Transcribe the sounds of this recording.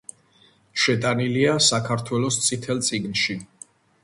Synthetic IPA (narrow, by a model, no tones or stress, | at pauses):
ʃɛt̪ʼaniliasakʰaɾt̪ʰwɛlɔst̪sʼit̪ʰɛlt̪sʼiɡnʃi